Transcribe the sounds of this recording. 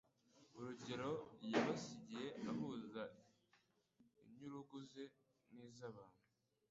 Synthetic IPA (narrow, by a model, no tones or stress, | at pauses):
uɾuɟe̞ɾo̞ɾjaβasiɟije̞ʔaɦuːza | iɲuɾuɡuze | niːzaβaːn̥hu